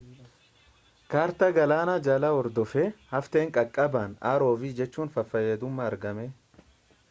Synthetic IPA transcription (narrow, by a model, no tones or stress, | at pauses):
kaːɾt̪ɐɡɐlaːnad͡ʒɐlɐɔɾd̪ɔfehɐft̪eːŋkʼɐkʼːɐbaːnaːɾo̞ːviːd͡ʒɛt͡ʃːuːnfɐfːɐjeːd̪ʊmːɐɐɾɡɐme